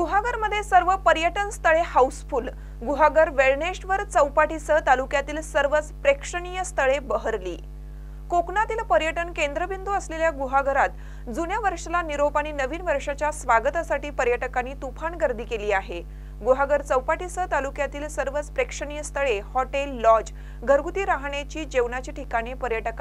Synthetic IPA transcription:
ɡuɦaɡəɾməd̪ʱːjesəɾʋəpəɾjəʈənst̪ʰəɭehausfuːl | ɡuɦaɡəɾʋeɭɳeʂʈʋəɾt͡səwpaʈisət̪alukjat̪iːlsəɾʋət͡spɾekʂəɳijəst̪ʰəɭebəɦəɾlḭː | kokɳat̪iːlpəɾjəʈənkend̪ɾəbind̪uəsleljaɡuɦaɡəɾat̪ | d͡zunjaʋəɾʂəlaniɾopaɽ̃iːnəʋiːnʋəɾʂat͡ɕjasʋaɡət̪asaʈiːpəɾjəʈəkaniːt̪upʰaɳɡəɾd̪ʱiːkeliːaɦe | ɡuɦaɡəɾt͡səwpaʈisət̪alukjat̪iːlsəɾʋət͡spɾekʂəɳijəst̪ʰəɭehɔʈelːɔd͡ʑ | ɡʱəɾɡut̪iːɾaɦɳet͡ɕiːd͡ʑeʋɳat͡ɕiːʈʰikaɽ̃ipəɾjəʈəka

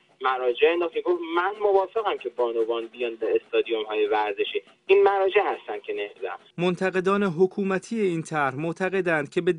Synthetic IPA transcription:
mæɾɒːd͡ʒeenɒːxeɡovmænmovɒːfe̞ɣæmcʰe̞bɒːnobɒːnbijɒːnbæest̪ɒːd̪ijomhɒːje̞væɾze̞ʃiː | iːnmæɾɒːd͡ʒe̞hæst̪æn̥̚cʰe̞nehzæ̰mmont̪ʰæɣe̞d̪ɒːne̞ɦokʰuːmæt̪ʰiːjeiːnt̪ʰæɾhmoʔt̪ʰæɣe̞d̪ænd̪̥cʰe̞be̞

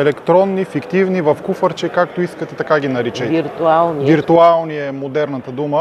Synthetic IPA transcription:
ɛlɛkt̪ɾɔnːifikt̪ivnivɐfkufəɾt͡ʃɛkak̚t̪oiskət̪ɛt̪ɐkaɡ̟inɐɾit͡ʃəiɾt̪ualˠnivviɾt̪ualˠniɛmod̪ɛɾnɐt̪əd̪umə

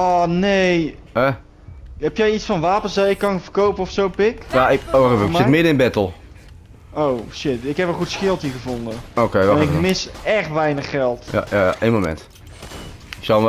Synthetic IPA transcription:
ɔnej | ɛ | ɦɛpjɛjitsfɑnʋaːpənsaɪkːɑnəvərkowpənɔfsowpɪkjaɪkoavəksɪtmɪdəɪnbɛtl̩ˠ | ʔowʃɪtɪkɦɛpəχutsxɪlˠtiχəvɔndənokejʋaɪmɪsɛχtʋɛjnəχːɛlˠtja̰jaja̰ʔejnmomɛ̰nt | ɪksɔ

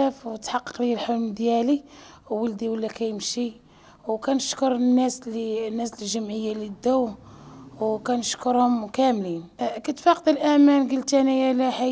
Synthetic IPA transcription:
æfwt̪ħɑqːə̥qliəlħʊlmd̪jæliwːəld̪iwəlːækæjəmʃi | wkænəʃkʊɾˤnːæslinːæsəlʒəmʕəjːalid̪ːæwhwkænəʃkʊɾhʊmkæmlinkæt̪fɑqd̪əlʔæmænɡəlt̪ænijælæħa

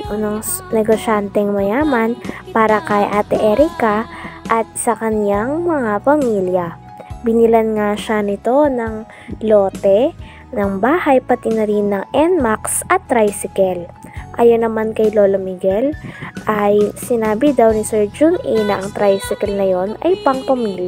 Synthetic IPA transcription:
noŋ | nɛɡoʃant̪ɛŋmɐjaːmɐnpaːɾɐkɐjʔaːt̪ɛʔɛɾikɐʔɐt̪̚sɐkɐnjaŋmɐŋapɐmiljɐ | bɪnɪlɐnŋaʃanɪt̪o̞nɐŋ | lo̞ːt̪ɛ | nɐŋbaːhɐjpɐt̪inɐɾinːɐŋʔɛnmaksɐt̪ːɾajsɪkɛlʔajonɐmankɐjloːlomiɡɛlʔɐjsɪnaːbɪd̪awnɪsɛɹd͡ʒuninɐʔɐŋt̪ɾajsɪkɐlnɐjo̞nɐ̰jpɐŋpɐmil

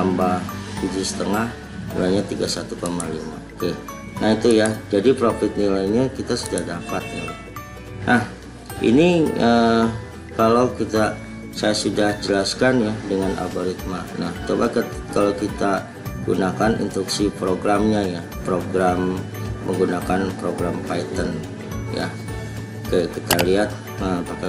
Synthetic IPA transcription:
ambaht̪ud͡ʒusə̥t̪əŋah | nḭlajɲat̪iɡasat̪ukamalima̰oke | naɦit̪ujad͡ʒadipɾofɪt̪̚nilaiɲakit̪asudahdapat̪̚ja | nʔah | ʔḭniə | kalawkit̪a | sajasudahd͡ʒəlaskanjadəŋana̰boɾit̪̚manaht̪obakət̪kalawkit̪a | ɡṵnakanḭnt̪ɾuksipɾoɡɾamɲaja | pɾoɡɾamː | əŋɡunakanpɾoɡɾampait̪ən | ja̰ | kəkit̪aliat̪̚ | əpaka

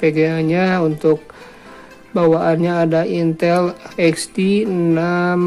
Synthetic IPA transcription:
peɡaaɲaunt̪ʊk̚ | bawaʔːnɲaːdaint̪ɛlɛkstina

